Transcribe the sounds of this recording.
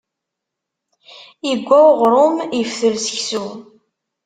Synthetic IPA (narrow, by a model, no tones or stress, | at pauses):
iɡʷːæʁɾˤʊmifθəlsə̥çsu